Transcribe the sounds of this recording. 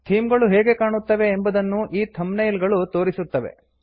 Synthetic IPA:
t̪ʰiːmɡɐɭuɦeːɡe̞kaːɳut̪ːɐʋe̞ːmbɐd̪ɐnːuʔiːt̪ʰɐmnɐjlɡɐɭut̪o̞ːɾisut̪ːɐʋḛ

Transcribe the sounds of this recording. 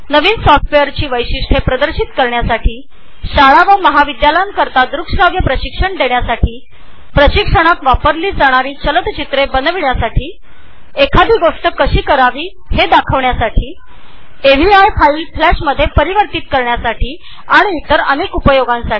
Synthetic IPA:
nəʋiːnsɔfʈfejəɾt͡ɕiːʋəjɕiʂʈʰepɾəd̪əɾɕit̪kəɾɳjasaʈʰiː | ɕaɭaʋəməɦaʋid̪jaləjəŋkəɾt̪ad̪ɾukʂɾaɡjəpɾəɕikʂəɳd̪eɳjasaʈiː | pɾəɕikʂəɽ̃ak̪ʋapəɾliːd͡zaɽ̃aɾiːt͡ɕələt̪t͡ɕit̪ɾebənəʋiɳjasaʈʰiː | ekʰad̪iːɡoʂʈəkəɕiːkəɾaʋiː | hed̪akʰəʋɳjasaʈʰiː | eʋiajfailflæɕməd̪ʱːjepəɾiʋəɾt̪it̪̚kəɾɳjasaʈʰiː | aɽ̃iːt̪əɾənekupəjoɡãnsaʈi

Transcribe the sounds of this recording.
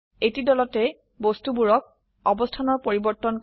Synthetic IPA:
etidɔlɔtɛ | bostubuɹɔk̚ | ɔbɔstʰanɔɹpoɹibɔɹtːɔnk

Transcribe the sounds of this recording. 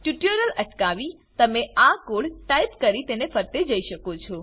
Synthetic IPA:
ʈjuʈəɾələʈkaʋi | t̪əmeakoɽʈaipkəɾit̪enefəɾt̪ed͡ʒəiʃəkot͡ʃʰɔ

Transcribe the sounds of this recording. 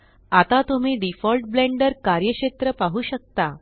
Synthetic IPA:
at̪at̪um̤iːɖifɔlʈ̚blẽɳɖəɾkaɾjəkɕet̪ɾəpaɦuːɕək̚t̪a

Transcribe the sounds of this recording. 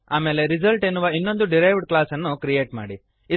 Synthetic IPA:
aːme̞ːle̞ɾizɐlʈenːuʋɐinːo̞nd̪uɖiɾajʋɖklaːsɐnːukɾije̞ːʈma̰ːɽi | i

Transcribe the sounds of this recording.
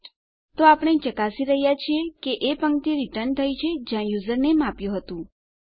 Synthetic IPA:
t̪oapɳ̃et͡ʃəkasiɾəɦjat͡ʃʰiekeʔepəŋkt̪iɾɪʈəɾɳt̪ʰəjt͡ʃʰed͡ʒjãjuzəɾnemapjũɦət̪ũ

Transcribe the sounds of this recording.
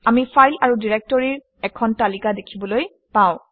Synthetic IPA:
amipʰajlaɹudiɹɛk̚tɔɹiɹ | ɛkʰɔntalikadekʰibɔloj | pãw̃

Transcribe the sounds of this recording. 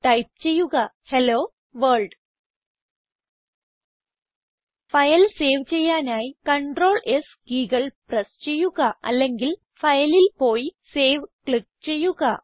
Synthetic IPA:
ʈɐjp̚t͡ɕe̞jːuɣɐ | heloː | ʋɐɭɖ | fɐjɐlse̞ːʋt͡ɕe̞jːaːnaːjikɐɳɖro̞ːɭʔesɡiːɣɐɭprɐst͡ɕe̞jːuɣɐɐ̰lːe̞ŋɡil | fɐjɐlilpo̞ːjiseːʋkɭik̚t͡ɕe̞jːuɣɐ

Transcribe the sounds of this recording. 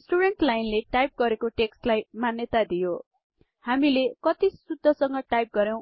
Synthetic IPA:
sʈuɽenʈlajnleʈajp̚ɡʌɾekoʈeksʈlajmanjʌt̪ad̪ijo | hamilekʌt̪isud̪ʱːʌsʌŋɡʌʈajp̚ɡʌɾjow̃

